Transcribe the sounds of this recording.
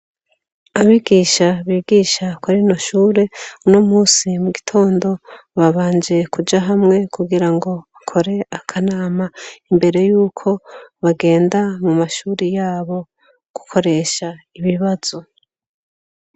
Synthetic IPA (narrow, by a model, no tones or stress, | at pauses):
aβiɡiːʃaβiːɡiːʃakwaɾinoʃuːɾe̞nomuːsimuɡitʰo̞ːndo̞ | βaβaːnd͡ʒe̞kud͡ʒaɦamŋe̞kuɡiɾaŋɡo̞βakʰo̞ɾe̞akʰanaːmaimbe̞ɾe̞juːkʰo̞βaɡe̞ːndamumaʃuːɾijaːβo̞ | ɡ̥ukʰo̞ɾe̞ːʃaiβiβaz̥o